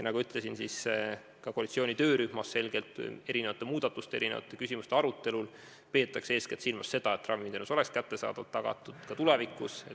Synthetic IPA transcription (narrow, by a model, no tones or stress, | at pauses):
nɑɡuyt̪ˑle̞sinsis | kɑkoɑlit̪sioːnʲit̪ø̞ːɾyhmɑse̞lɡ̥e̞lt̪e̞ɾine̞vɑt̪ːˑemuːd̪̥ɑt̪ːˑust̪ee̞ɾinevɑ̰t̪ːˑekys̬ʲimust̪eɑɾut̪ːˑe̞lul | pe̞ːt̪ːˑɑkse̞ːsket̪silmɑsːe̞d̪̥ɑet̪ːˑrʔɑvind̪enuso̞lekskæt̪ːe̞sɑ̰ːd̪̥ɑt̪ːɑɡ̥ɑ̰t̪ːˑud̪̥kɑt̪ulevikːuse